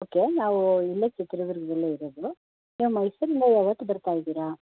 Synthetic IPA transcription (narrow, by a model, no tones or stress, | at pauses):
oːke̞naːʋuilːɐt͡ʃːɛt̪ɾɐʋiɾɡɐd̪ɐlːeiɾoːd̪u | niːʋumɐjsɐɾind̪ɐjaːʋɐt̪ːubɐɾt̪aːjid̪iːɾa